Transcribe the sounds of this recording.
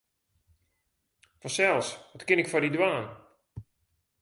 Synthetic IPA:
fɔsɛlˠsʋɔtkɪnɪkfɔdidwaːn

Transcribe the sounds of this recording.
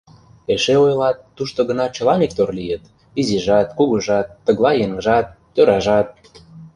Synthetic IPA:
eʃeojlɑt̪ːuʃt̪oɣə̆nɑt͡ɕə̆lɑnʲik̚t̪orlijət̪ | iziʒɑt̪kuɣuʒɑt̪ːə̆ɣlˠɑjeŋəʒɑt̪ːøɾɑʒɑt̪̚

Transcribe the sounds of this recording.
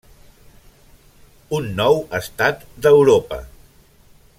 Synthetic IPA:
unːɔwəst̪at̪d̪əwɾopə̰

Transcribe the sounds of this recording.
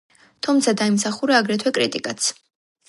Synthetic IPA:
t̪ʰumt̪sʰad̪aimsaχuɾaːɡɾɛt̪ʰwɛkʼɾit̪ʼikʼat̪sʰ

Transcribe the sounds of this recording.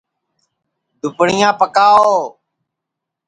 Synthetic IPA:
d̪ʊpɳɪjãːpəkaːooː

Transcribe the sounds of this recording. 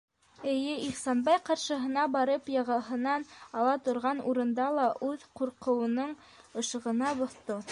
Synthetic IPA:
ɘ̆jɘʔiχsɑnbɑjqɑɾʃɤ̆ɦɤ̆nɑbɑɾɤpjɑʁɑɦɤ̆nɑnɑlˠɑt̪ŏɾʁɑnuɾɤ̆nd̪ɑlˠɑʔʉðquɾqɤ̆wɤ̆nɤɴ | ɤ̆ʃɤ̆ʁɤ̆nɑbŏθt̪o

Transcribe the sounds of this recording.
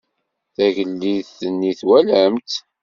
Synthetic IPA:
θæʝəlːiðθənːiθwælæmt̪

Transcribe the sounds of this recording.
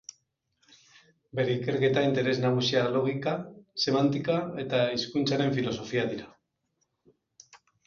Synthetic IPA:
be̞ɾe̞ike̞ɾke̞t̪aint̪e̞ɾe̞znaɣ̞usialo̞ɣ̞ikase̞mant̪ikae̞t̪aiskunt͡saɾe̞ɱfilo̞so̞fiaðiɾa

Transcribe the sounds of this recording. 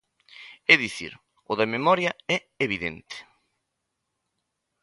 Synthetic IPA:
ɛðiθḭɾ | ʊðɐmemɔɾjɐɛ | eβ̞iðent̪e̥

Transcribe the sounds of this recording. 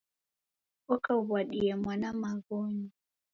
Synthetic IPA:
ɔkaβwaɗiɛmwanamaɣɔɲi

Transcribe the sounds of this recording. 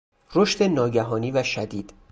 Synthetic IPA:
roʃt̪enɒːɟæɦɒːniːvæʃæd̪iːd̪̥

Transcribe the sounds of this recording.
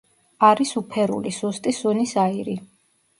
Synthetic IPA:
aɾisupʰɛɾṵlisust̪ʼisunisaiɾi

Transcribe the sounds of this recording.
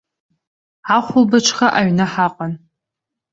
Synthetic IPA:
aχʷʊlbɐt͡ʃʷʰχaʔaɥnaħaqʼan

